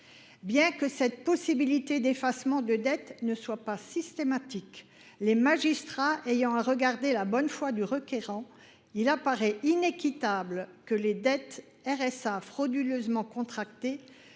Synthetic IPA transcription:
bjɛ̃kəsɛt̪̚pɔsibilit̪ed̪efasmɑ̃d̪əd̪ɛt̪nəswapasist̪emat̪ik | lemaʒist̪χaʔejɑ̃aʁəɡaʁd̪elabɔnfwad̪yʁəkʲeʁɑ̃ | ilapaʁɛʔinekʲit̪ablkəled̪ɛt̪ | ɛʁɛsafχɔd̪yløzmɑ̃kɔ̃t̪χak̚t̪e

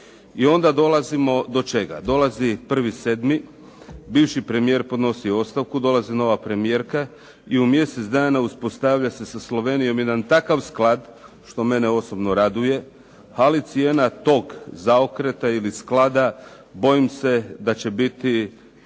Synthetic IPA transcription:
io̞nd̪ad̪o̞lˠazimo̞d̪o̞t͡ʃe̞ɡa̰d̪o̞lazipr̩ʋise̞d̪mi | biʋʃipɾe̞mije̞ɾpo̞d̪no̞sio̞st̪aʋkud̪o̞lˠazino̞ʋapɾe̞mije̞ːɾka | iumje̞set̪d̪aːnauspo̞st̪aʋʎase̞saslˠo̞ʋe̞ːnijo̞mje̞d̪ant̪akaʋsklˠad̪ | ʃt̪o̞me̞neo̞so̞bno̞ɾad̪uje̞ | alit̪sije̞nat̪o̞ɡzaokɾe̞t̪ailisklad̪a | bo̞imse̞d̪at͡ɕe̞bit̪i

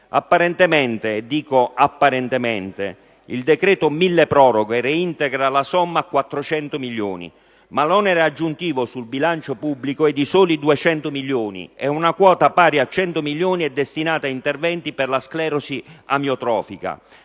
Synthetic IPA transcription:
a̰pːaɾɛnt̪ɛmɛnt̪ed̪iːkoapːaɾɛnt̪ɛmɛnt̪ḛ | ild̪ɛkɾɛːt̪omilːepɾɔːɾoɡoɛrɛint̪ɛɡɾalasɔmːaːkːwat̪ːɾot͡ʃɛnt̪ʊmiljo̰ːnḭ | malɔnɛɾead͡ʒːunt̪iːvosulbilant͡ʃopubːlikoɛd̪ːisoːlid̪uɛt͡ʃɛnt̪ʊmiljoːnḭɛunakwɔːt̪apaːɾjiat͡ʃɛnt̪omiljoːniɛd̪ːɛst̪inaːt̪aint̪ɛrvɛnt̪ipɛrlasklɛːɾosiamjot̪ɾɔːfika̰

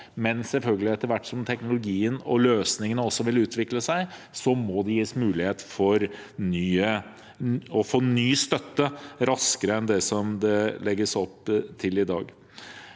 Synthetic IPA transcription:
mɛnsɛlfœlɡəlɪɛt̪ːəɾʋæʈːsɔmt̪ʰɛknʊlʊɡiːənɔløːsnɪŋənəɔsːɔʋɪlʉːt̪ʰʋɪkləsæɪ | sɔmɔd̪ɛjiːəsmʉːlɪheːt̪fɔɾ | nyːə | ɔfoːnyːst̪œt̪ːəɾɑskəɾəɛnd̪ɛsɔmd̪ɛlɛɡːəsɔpt̪ʰɪlɪd̪ɑ̰ːɡ

